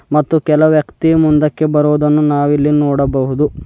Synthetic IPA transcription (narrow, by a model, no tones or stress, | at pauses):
mɐt̪ːukɛlɐʋjɐkt̪iɐmund̪ɐkːe̞bɐɾoːd̪ɐnːunaːʋilːinoːɽɐbɐɦud̪u